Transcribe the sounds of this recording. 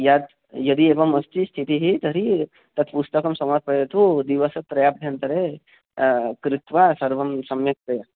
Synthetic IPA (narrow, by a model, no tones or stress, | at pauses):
jad̪ | jɐd̪ieːʋɐmɐst̪ist̪ʰit̪iɦit̪ɐɾi | t̪ɐt̪pust̪ɐkɐmsɐmaɾ̚pɾɐjɐt̪ud̪iʋɐsɐpɾɐjaːp̚d̪ʱjant̪ɐɾe | kɾit̪ʋasɐɾʋɐmsɐmjɐk̚t̪ɾɐja